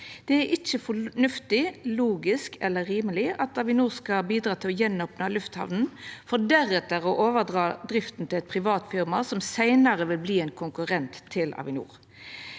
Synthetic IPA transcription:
d̪̥ɛæɾʔɪt͡ʃːəfɔnʉft̪ɪluːɡɪskɛlːəɾiːməlɪɑt̪ɑʋɪnuːʁskɑbiːd̪ɾɑːt̪ʰɪlɔjɛnopnɑlʉft̪hɑ̰ʋnn̩fɔɖ̪æɾɛt̪əʁɔʔoːʋəd̪ʁɑːd̪ɾɪft̪n̩t̪ʰɪlɛt̪̚pʰʁɪʋɑːt̪fɪʁmɑsɔmsæɪnɑʁəʋɪlbliːɛɪnkʰʊŋkʉʁɛnt̪ʰːɪlʔɑ̰ʋɪnṵːɾ

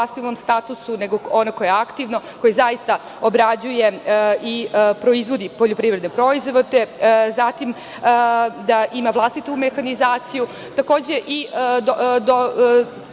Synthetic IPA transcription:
ast̪inomst̪at̪usuneɡoonokoje̞akt̪iʋno̞ko̞jezaist̪a | obɾad͡ʑuje̞ʔipɾo̞izʋo̞d̪ipo̞ʎopɾiːvɾed̪nepɾo̞izʋo̞d̪ezat̪im | d̪aʔimaʋlˠast̪it̪umexanizaːt̪siju | t̪ako̞ːd͡ʑe̞ʔi | d̪o

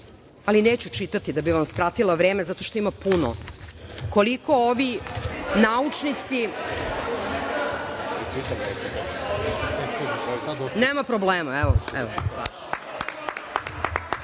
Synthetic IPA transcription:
alineːt͡ɕut͡ʂit̪at̪id̪abiʋamskɾat̪ilˠaʋɾeːmezat̪o̞ʃt̪o̞imapuno̰ | ko̞liko̞oʋinaut͡ʂnit̪si | it͡ʃit̪amet͡ʃit̪aisa | neːmapɾobleːmaɛʋoɛ̰ʋo

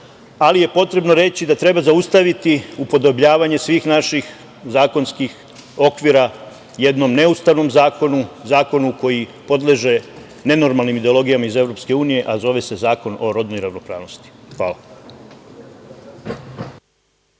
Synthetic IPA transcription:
alije̞po̞t̪ɾe̞bno̞ɾe̞t͡ɕid̪at̪ɾe̞bazaust̪aʋit̪iupo̞d̪o̞bʎaːʋaɲe̞sʋiːxnaʃix | zaːko̞nskix | o̞kʋiɾa | je̞d̪no̞mne̞ust̪aʋno̞mzaːko̞nuzaːko̞nuko̞jipo̞d̪leʒe̞ | ne̞no̞ɾmalˠnimid̪e̞olo̞ɡijamaize̞vɾo̞pske̞uːnije̞ʔazo̞ʋe̞se̞zaːko̞no̞ɾo̞d̪nojiɾaʋno̞pɾa̰ːʋno̞st̪i̥xʋa̰ːla

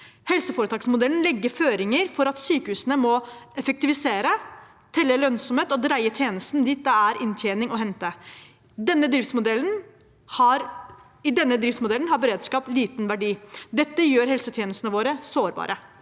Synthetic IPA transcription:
hɛlsəfɔɾət̪ɑːksmʊd̪ɛln̩lɛɡːəɾføːɾɪŋəɾfɔɾɑt̪syːkəhʉːsənəmɔɛfək̚t̪ɪʋɪseːɾə | t̪ʰɛlːəlœnsɔmheːt̪ɔd̪ɾæɪət̪ʰjeːnəst̪nd̪iːt̪̚d̪ɛæɾʔɪnt̪ʰjeːnɪŋɔɦɛnt̪ə | d̪ɛnːəd̪ɾɪft̪smʊd̪ɛln | hɑɾ | ɪd̪ɛnːəd̪ɾɪft̪smʊd̪ɛln̩hɑɾbəɾeːd̪skɑːpliːt̪nʋæɖiːd̪ɛt̪ːəjøːɾhɛlsət̪ʰjeːnəst̪nəʋoːɾəsoːɾbɑ̰ːɾʔə

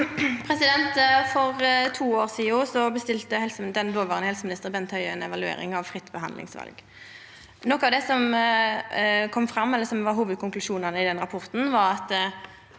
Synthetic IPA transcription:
pʰɾɛsɪd̪ɛnt̪fɔʁt̪ʰuːoːʁsiːʊsɔbəst̪ɪlt̪əhɛlsd̪ɛnd̪oːlʋɑːʁnəhɛlsəmɪnɪst̪əʁbɛnt̪ʰhœʏɛnɛʋɑlʉḛːʁɾɪ̰ŋɑʋfʁɪt̪ːbəhɑ̰nlɪ̰ŋsʋɑ̰lɡ | nɔkːɑʋd̪ɛsɔm | kʰɔmːfɾɑmːɛlːəsɔmʋɑʁɦuːʋəd̪̚kʰʊŋklʉʂuːnɑnəɪd̪ɛnɾɑpʰɔʁt̪n̩ʋɑɾɑt̪

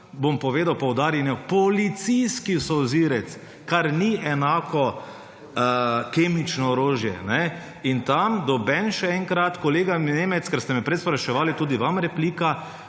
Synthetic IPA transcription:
bompɔʋeːd̪awpɔwd̪aːɾjɛnɛpɔlit̪sijskisɔwziɾɛt̪s | kaɾniɛnaːkɔ | kemit͡ʃnɔːɾoːʒjɛnɛ | int̪amd̪ɔbɛnʃɛɛŋkɾat̪kɔleːɡaneːmɛt̪skɛɾst̪ɛmɛpɾɛt̪spɾaʃɛʋaːlit̪uːd̪iʋamɾɛpliːka

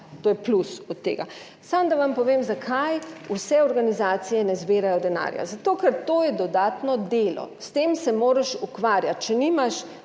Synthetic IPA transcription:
t̪oːjɛplusɔt̪ːḛːɡa̰ | samd̪aʋampɔʋeːmzakʰajusɛɔɾɡanizaːt̪sijɛnɛzbeːɾajɔd̪ɛna̰ːɾja̰zat̪oːkɛɾt̪oːjɛd̪ɔd̪aːt̪nɔd̪eːlɔ̰st̪eːmsɛmoːɾɛʃukʋaɾjat̪̚t͡ʃɛnimaʃ

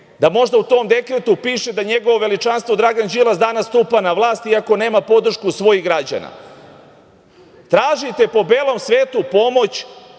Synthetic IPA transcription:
d̪amo̞ʒd̪aut̪o̞ːmd̪e̞kɾet̪upiːʃe̞d̪aɲe̞ɡoʋo̞ʋe̞lit͡ʃanst̪ʋo̞d̪ɾaɡand͡ʑilˠasd̪anasːt̪upanaʋlˠaːst̪iako̞ne̞ːmapo̞d̪r̩ʃkusʋo̞jiɣɡɾad͡ʑa̰na̰ | t̪ɾaːʒit̪e̞po̞beːlˠo̞msʋe̞ːt̪upo̞mo̞t͡ɕ

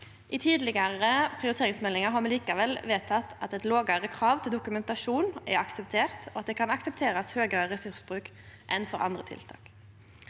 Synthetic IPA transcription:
ʔɪt̪ʰiːd̪lɪɡəʁəpʰʁɪʊɾɪt̪eːʁɪŋsmɛlːɪŋəɾɦɑmɛːliːkɑʋɛlʋeːt̪ʰɑt̪ʰːɑt̪ɛt̪loːɡɑʁəkʰʁɑːʋt̪ʰɪld̪ʊkʉmɛnt̪ɑʃuːnɛ̰ɑksɛp̚t̪ʰeːʁt̪oɑt̪̚d̪eːkʰɑnɑksɛpt̪ʰeːɾɑshøːɡəʁəʁɛsʉʁsbʁʉːk | ʔɛnfɔɾɑ̰nd̪ʁət̪ʰɪ̰lt̪ʰɑ̰ːk

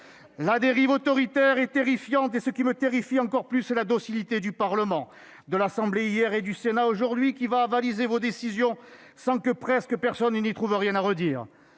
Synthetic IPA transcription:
lad̪eʁivɔt̪ɔʁit̪ɛʁɛt̪eʁifjɑ̃t̪esəkʲimət̪eʁifiɑ̃kɔʁplysɛlad̪ɔsilit̪ed̪ypaʁləmɑ̃ | d̪əlasɑ̃bleijɛʁed̪ysenaoʒuʁd̪ɥikʲivaːvalizevɔd̪esizjɔ̃sɑ̃kəpχɛskəpɛʁsɔnːnit̪χuvəʁjɛ̃naʁəd̪iːʁ

